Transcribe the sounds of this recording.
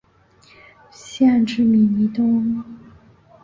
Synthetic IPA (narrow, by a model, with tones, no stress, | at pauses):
ɕjɛ˥˧nʈ͡ʂɻ̩˥˩mi˨˩ni˧˥t̪ʊ˥ŋ